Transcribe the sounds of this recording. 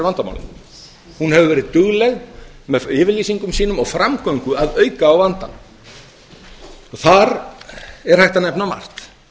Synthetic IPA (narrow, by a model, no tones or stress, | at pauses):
vant̪ama̰wl̰ | hunhɛvʏvɛːɾɪðt̪ʏɣlɛɣmɛɪːvɪɾliːsiŋkʏmsiːnʏmɔɣfɾamkœɥŋkʏaðœːɥkaːwvant̪a̰ | ɔθaɾ | ɛɾ̥hajht̪anɛpnama̰r̥t̪